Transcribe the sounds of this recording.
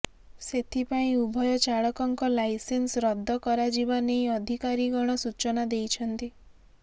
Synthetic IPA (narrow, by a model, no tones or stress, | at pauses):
set̪ʰipaĩubʱɔjɔt͡ʃaɭɔkɔŋkɔlajsensɾɔd̪ʱːɔkɔɾad͡ʒibanejɔd̪ʱikaɾiɡɔɽ̃ɔsut͡ʃɔnad̪ejt͡ʃʰɔnt̪i